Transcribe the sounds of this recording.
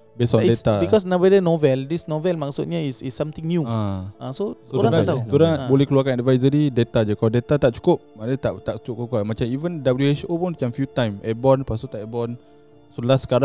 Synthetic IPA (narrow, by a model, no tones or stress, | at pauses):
besɔ̃dest̪abikɔs̬nãvədənɔvɛldisnɔvɛlmaksṵt̪̚ɲaisḭsːãmt̪ĩŋnjuããsoodɾuaɾãat̪ad̪uɾabolɛhkəluakãnɛdvajzəɾidet̪ad͡ʒəkaldet̪at̪aʔ̚t͡ʃu̥kʊp̚manat̪aʔt̪aʔt͡ʃup̚kakwamat͡ʃamivəndabəljuet͡ʃopɔnat͡ʃamfjut̪ãjmɛbɔnpasut̪aʔɛbɔn | solaskaɾã